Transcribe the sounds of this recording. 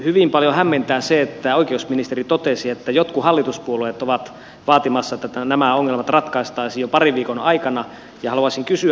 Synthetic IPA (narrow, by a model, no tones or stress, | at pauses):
hyʋimpɑljohæmːent̪æːseet̪ːæoikeusminist̪erit̪ot̪esiet̪ːæjot̪kuhɑlːit̪uspuolueːˑt̪oʋɑt̪ | ʋɑːt̪imɑsːɑet̪ːæænæmæoŋːelmɑt̪rɑt̪kɑist̪ɑisijjopɑriʋʋiːkonɑikɑnɑ | jɑhɑluɑsiŋkysy